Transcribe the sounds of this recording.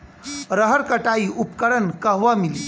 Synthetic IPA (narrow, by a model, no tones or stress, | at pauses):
ɾəɦəɾkəʈaiːʔupkəɽənkəɦʋamiliː